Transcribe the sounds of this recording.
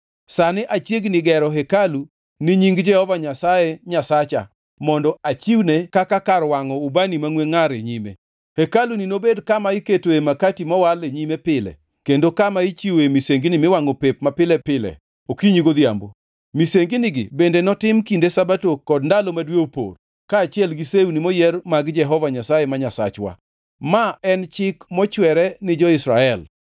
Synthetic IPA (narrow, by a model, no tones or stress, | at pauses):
sanɪʔat͡ʃjeɡnɪɡɛɾɔɦekalu | nɪɲiŋɡd͡ʒɛhɔvaɲasajeɲasat͡ʃa̰ | mɔndɔat͡ʃiwnekakakaɾwaŋɔubanimaŋweŋaɾeɲimḛ | hekalunɪnobedkamaɪketoemakatimawaleɲimepɪlɛ̰ | kendokamait͡ʃioemiseŋɡinimɪwaŋɔpep̚mapɪlɛpɪlɛ̰ | okiɲiɡod̪ja̰mbo | miseŋɡiniɡɪ̰bendenɔtɪmkindesabatokɔdndalomadweopo̰r | kaːt͡ʃɪɛlɡiseunimɔjɛrmaɡd͡ʒɛɦɔvaɲasajemaɲasa̰t͡ʃwa̰ | maɛnt͡ʃɪkmɔt͡ʃwɛɾɛnɪd͡ʒɔɪsɾaɛl